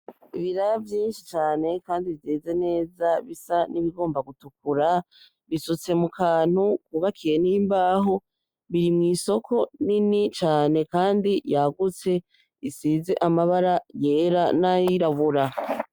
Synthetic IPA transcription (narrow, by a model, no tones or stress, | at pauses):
iβiɾaavjiːnʃit͡ʃaːne̞kaːndivjeːze̞ne̞ːzaβisaniβiɡo̞ːmbaɡutukuɾa | βisut͡se̞mukʰaːn̥hukuβakʰiɾeniːmbaːɦo̞ | βiɾimŋiːso̞kʰo̞ninit͡ʃaːne̞kaːndijaɡut͡se̞ | isiːze̞ʔamaβaɾaje̞ːɾanaiɾaβuɾa